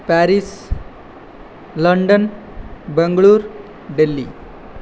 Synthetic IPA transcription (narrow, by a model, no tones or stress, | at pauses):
pæɾis | ləɳɖən | bəŋɡɭuːɾ | ɖelːi